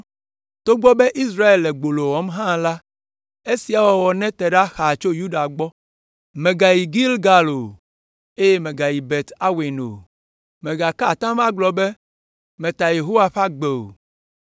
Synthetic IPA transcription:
t̪o˦ɡ͡bɔ˦be˦ʔi˦s̬ɾa˦e˨lːɛ˨ɡ͡bo˨lo˨wɔ˨˦mɦã˦la˦ | e˦si˨a˨wɔ˨wɔ˨nɛ̃˦t̪ɛ˨ɖa˦xa˨t͡ʃo˦ju˦ɖa˨ɡ͡bɔ˦ | mɛ̃˨ɡa˨ji˨ɡi˦lɡa˨lo˨ | e˦je˦mɛ̃˨ɡa˨ji˨bɛ˨t̪a˦we˨no̰˨ | mɛ̃˨ɡa˨ka˦˨t̪ã˦mã˦ɡ͡blɔ˨be˦ | mɛ̃˨t̪a˨je˨ɦo˦wa˨ɸa˦ɡ͡be˨o̰˨

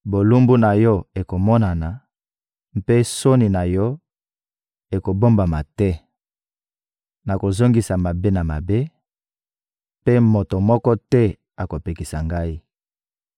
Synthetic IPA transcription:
bo˨lu˦mbu˦na˨jɔ˦e˨ko˨mɔ˦na˨na˨ | mpe˦so˦ni˨na˨jɔ˦ | e˨ko˨bo˦mba˨ma˨tɛ˦ | na˨ko˨zo˦ŋɡi˨sa˨ma˨be˦na˨ma˨be˦ | pe˦mo˨to˨mɔ˦kɔ˦tɛ˦ | a˨ko˨pe˨ki˨sa˨ŋɡa˦i˦

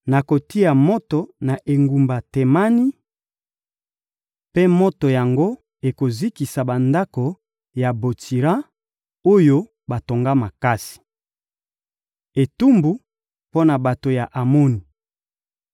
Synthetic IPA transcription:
na˨ko˨ti˦a˨mo˦to˨na˨ʔe˨ŋɡu˨mba˨te˨ma˦ni˦ | pe˦mo˦to˨ja˨ŋɡo˦ | e˨ko˨zi˦ki˨sa˨ba˨nda˦ko˨ | ja˨bo˨tʰi˨ʁa˦ | o˦jo˦ | ba˨to˨ŋɡa˦ma˨ka˦si̥˨ | e˨tu˦mbu˨ | po˦na˨ba˨to˨ja˨ʔa˨mo˦ni˨

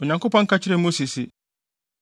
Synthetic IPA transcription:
o˨ɲã˨ŋko˦pɔ̃˦ŋ̩˦kʰa˦t͡ɕʰɪ˦ɾe˦mo˦si˨si˨

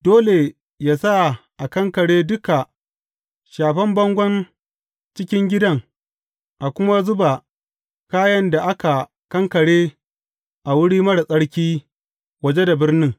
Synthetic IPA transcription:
doː˦le˨ | jaː˦˨sa˦ʔa˨kɐ˦ŋkɐ˨ɽeː˦dʊ˦ka˨ | ʃaː˨ɸɐ˦mbɐ˦ŋɡʷɐ˦n | t͡ʃɪ˦kʲɪ˦ŋɡʲɪ˦dɐ˦ŋ | ʔa˨kʷʊ˦ma˦zʊ˦ba˨ | kaː˦jɐ˦nda˨ʔa˦ka˨ | kɐ˦ŋkɐ˨ɽeː˦ | ʔa˨wʊ˦ɽiː˦mɐ˦ɽa˨sʼɐ˦ɽkʲiː˦ | wɐ˨d͡ʒe˦da˨bɪ˦rnɪ˦ŋ

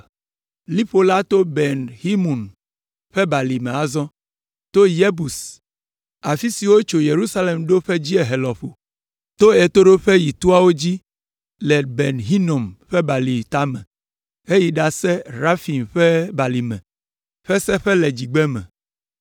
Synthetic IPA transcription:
li˦ɸo˦la˦t̪o˦bɛ˨nhi˦mũ˨n | ɸɛ˦ba˨li˨mẽ˨a˨zɔ̃˦ | t̪o˦je˦bu˨s | a˨fi˦si˨wo˦t͡ʃo˨je˨ɾu˦sa˦le˨mɖo˦ɸɛ˦d͡ʑi˦e˨ɦe˨lɔ˨ɸo˨ | t̪o˦e˨t̪o˦ɖo˦ɸɛ˦ji˨t̪u˦a˦wo˦d͡ʑi˦ | lɛ˨be˨nɦi˦no˨mɸɛ˦ba˨li˨t̪a˦mɛ̰̃˨ | e˦ji˨ɖa˨sɛ˦ɾa˦fi˨mɸɛ˦ba˨li˨mɛ̰̃˨ | ɸɛ˦sɛ˦ɸɛ˦lɛ˨d͡ʑi˨ɡ͡bɛ˦mɛ̰̃˨

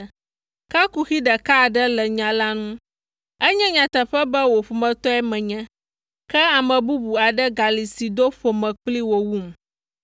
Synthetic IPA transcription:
ka˦ku˨xi˦ɖə˨ka˦˨ɖɛ˦lɛ˨ɲã˨la˦nũ˦ | ɛ˦ɲɛ̃˦ɲã˨t̪ə˨ɸɛ˦bɛ˦wo˨ɸu˨mɛ̃˨t̪ɔ˦ɛ˦mɛ̃˨ɲɛ̃˦ | kɛ˦a˨mɛ̃˨bu˦bu˨a˨ɖɛ˦ɡa˨li˨si˨d̪o˦ɸo˨mɛ̃˨k͡pli˦wo˨wu˦˨m

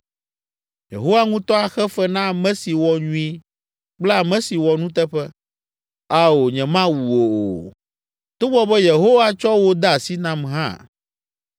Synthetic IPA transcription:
jḛ˨ɦo˦wa˦ŋũ˦t̪ɔ˦a˨xɛ˦fɛ˦nã˦˨mɛ̃˦si˨wɔ˨ɲũ˦i˦ | k͡plɛ˦a˨mɛ̃˦si˨wɔ˨nũ˦t̪ɛ˦ɸɛ˦ | a˦o˨ɲɛ̃˨mã˦wu˨o˨o̰˨ | t̪o˦bɔ˦bɛ˦je˨ɦo˦wa˦t͡ʃɔ˦wo˦d̪a˦a˨si˦nã˦mɦã̰˦˨

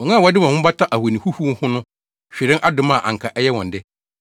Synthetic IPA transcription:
ɔ˨ŋã˦˨wdɪ˦mã˨hʊ̃˦ba˦tʰa˦ʔa˨we˨nĩ˨hu˦hu˦hʊ̃˦nʊ̃˦ | ɕᶣɪ˨ɾɪ̃˦ŋʔa˦dʊ˨mã˦˨ʔã̰˨ŋ̩˨kʰa˨ʔɛ˦jɛ˦wɔ̃˨n˨dɪ˦

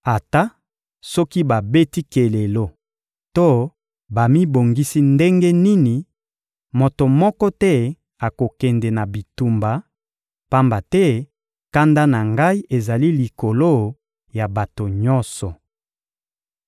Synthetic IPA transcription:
a˨ta˦ | sɔ˦ki˦ba˨be˦ti˦ke˨le˨lo˦ | to˦ | ba˨mi˦bo˨ŋɡi˦si˦nde˦ŋɡe˦ni˦ni˨ | mo˨to˨mɔ˦kɔ˦tɛ˦ | a˨ko˨kɛ˨ndɛ˨na˨bi˨tu˨mba˨ | pa˦mba˨tɛ˦ | ka˦nda˦na˨ŋɡa˦i˦e˨za˨li˦li˨ko˨lo˦ | ja˨ba˨to˨ɲɔ˦nsɔ˨

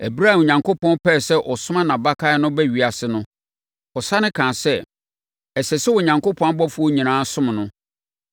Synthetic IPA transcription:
æ˨bɾa˦˨o˨ɲã˨ŋkʰo˦pʰɔ̃˦npʰɛː˦˨sɛ˦ʔɔ˨sʊ˦mã˦nã˨ba˦kʰa˦nʊ̃˦bɛ˦ɥi˨a˨sɪ˨nʊ̃˦ | ɔ˨sa˦nɪ̃˦kʰãː˨sɛ˦ | ɛ˨sɛ˨sɛ˦wɔ˨ɲã˨ŋko˦pʰɔ̃˦bɔ˦fu˨˦ɔ˦ɲĩ˨nãː˦sʊ̃˦m˨nʊ̃˦

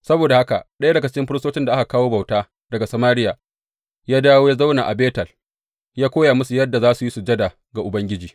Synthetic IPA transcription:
sɐ˦boː˨da˨ha˦ka̰˨ɗɐ˦ja˦dɐ˨ɡɐ˦t͡ʃɪ̥˦ɪ˦mɸɪ˦ɽɪ˦stoː˦t͡ʃɪ˦nda˨ʔa˦ka˨kaː˦woː˦ba˨wtaː˦ | dɐ˨ɡa˨sɐ˨maː˦ɾɪ˦jaː˨ | jaː˦daː˦woː˦ja˦za˦wna˨ʔa̰˨beː˦tɐ˨l | jaː˦kʷoː˦jaː˨mʊ˦su˨jɐ˦dːa˨zaː˦su˨jiː˦su˨d͡ʒɐ˦da˨ | ɡa˨ʔʊ˨bɐ˦ŋɡʲɪ˦d͡ʒiː˨

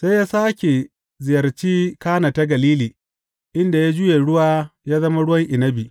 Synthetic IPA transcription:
se˦jaː˦saː˦kʲe˨ | zɪ˨jɐ˨rt͡ʃiː˦kaː˦na˨ta˦ɡɐ˨liː˦liː˨ | ʔɪ˦nda˨ja˦d͡ʒʊ˦je˨ɽʊ˦waː˦jaː˦zɐ˦ma˦ɽʊ˦wɐ˦ŋʔɪ˨nɐ˦bi˨

